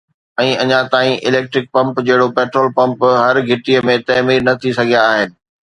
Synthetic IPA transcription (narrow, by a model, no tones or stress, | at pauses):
ɛ̃ːɐɲãt̪aːĩʔɪleːk̚ʈɾɪk̚pɐ̃mpd͡ʑɐɦɪɽopɛːʈɾoːlpɐ̃mpɦɐɾɡʱɪʈiəmẽt̪ɐːmiːɾnɐt̪ʰisɐɡʱijaːɦɪnɪ̆